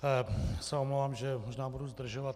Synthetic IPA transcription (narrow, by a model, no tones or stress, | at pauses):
sɛomlovaːmʒɛmoʒnaːbuduzd̪r̩ʒovat̪